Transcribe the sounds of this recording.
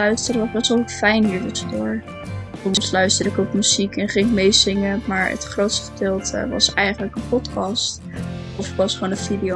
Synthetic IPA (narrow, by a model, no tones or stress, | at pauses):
œɥstərəʋɑzbɛsʋəlˠfɛjnɦiːɹdɔtsdʊːɹ | ɔmmslœɥstəɹdəɪkokmyz̥ikɛnχɪŋɪk̚mejzɪŋəmaːɹə̰tχrowtstə̥fə̥dɪlˠtʰə̰ʋɑ̰sɛjχənləkənpɔtkɑst | ɔfəkʋɑsχoːnənvidijo